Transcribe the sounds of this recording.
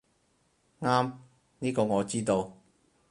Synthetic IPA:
ŋaː˥m | niː˥kɔː˧ŋɔː˨˧t͡siː˥t̪o˧w

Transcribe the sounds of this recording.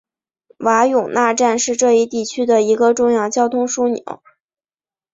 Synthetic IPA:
wa˧˥jʊ˨˩ŋna˥˧ʈ͡ʂa˥˧nʂɻ̩˥˧ʈ͡ʂɤ˥˧i˥˧t̪i˥˩t͡ɕʰy˥d̪ə˨i˧˥ɡə˧ʈ͡ʂʊ˥˧ŋjɑ˥˩ʊt͡ɕjɑ˥ʊt̪ʰʊ˥ŋʂu˥njɑ̰˧˥˦ʊ

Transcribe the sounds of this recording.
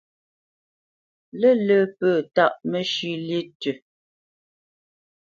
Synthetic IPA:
lə˦lə˦pəː˨ta˦˨ʔmə˦ʃʉ˦lje˦tʉ˨

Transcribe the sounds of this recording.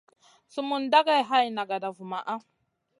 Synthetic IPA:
su˦mu˨nda˦ɡa˦jɦa˦jna˨ɡa˨da˨vu˨ma˨ʔa˦

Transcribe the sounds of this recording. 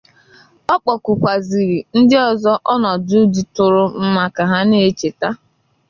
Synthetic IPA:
ɔ˦k͡pɔ˨kʊ˨kʷa˨zi˨ɾi˨n̩˦dɪ˦ɔ˨zɔ˦ʔɔ˦nɔ˨du˦di˨tʊ˨ɾʊ˦m̩˦ma˨ka˨ɦa˦ne˦e˦˨t͡ʃe˨ta˦

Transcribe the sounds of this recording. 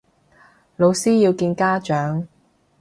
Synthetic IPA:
lo˨˧wsiː˥ji˧wkiː˧nkaː˥t͡ʃœː˨˥ŋ

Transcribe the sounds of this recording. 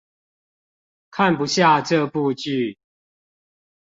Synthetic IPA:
kʰa˥˨npu˨˦ɕja˥˨ʈ͡ʂɤ˥˧pu˥˧t͡ɕy˥˨

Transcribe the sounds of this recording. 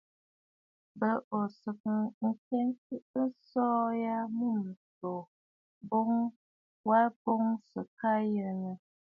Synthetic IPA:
bə˦˨ʔo˨sɨ˨kɨ˦ŋ̩˦ke˦nti˦n̩˦sɔː˦ja˦mu˦˨m̩˨to˨ | bo˦ŋ | wa˦lbo˦ŋsɨ˨ka˦jə˨ɾŋə˨

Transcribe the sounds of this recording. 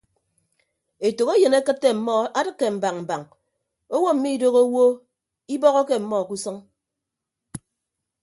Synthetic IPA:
e˨to˨ɣe˦je˨ne˦kɨ˦tːe˦m̩˨mɔ˦a˦dɨ˦˨kːe˨m̩˨ba˨ŋm̩˨ba˨ŋ | o˦wo˦m̩˨mi˦i˨do˦ɣo˦wo˦ | i˦bɔ˦ɣɔ˦ke˦m̩˨mɔ˦˨ku˦sɔ˦ŋ

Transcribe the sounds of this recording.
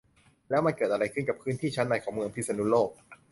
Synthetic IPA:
lɛː˦˥wma˧nkɤː˨˩t̪ʔa˧ɾa˧jkʰɯ˥˩nka˨˩pʰɯː˦˥nt̪ʰiː˥˩t͡ɕʰa˦˥nːa˧˩jkʰɔː˩˦ŋmɯ˧əŋpʰi˦˥sa˧nu˦˥loː˥˩k̚

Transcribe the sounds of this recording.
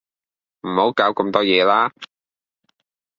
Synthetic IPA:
m̩˨˩ho˨˥wkaː˨˥wkɐ˧mt̪ɔː˥jɛː˨˧laː˥

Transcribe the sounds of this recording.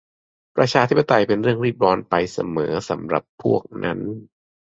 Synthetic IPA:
pɾa˧t͡ɕʰaː˧t̪ʰi˦˥p̚ːa˧t̪a˧jpe˧nɾɯ˥˩əŋɾiː˥˩t̪̚bɔː˧npa˧jsa̰˧mɤː˩˦sa˩˦mɾa̰˨˩pʰːu˥˩ək̚nʔa˦˥n

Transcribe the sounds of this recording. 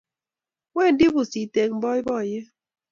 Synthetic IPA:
we˦˨n˦di˦bu˨si˨te˨ŋ̚m̩˨bɔ˦i˦bɔ˦˨je˦

